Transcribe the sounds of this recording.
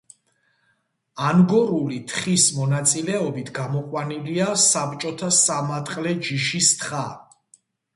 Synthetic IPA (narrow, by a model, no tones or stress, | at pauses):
anɡɔɾulit̪ʰχismɔnat̪sʼilɛɔbit̪ʰɡamɔqʼwaniliasapt͡ʃʼɔt̪ʰasamat̪ʼqʼlɛd͡ʒiʃist̪ʰχa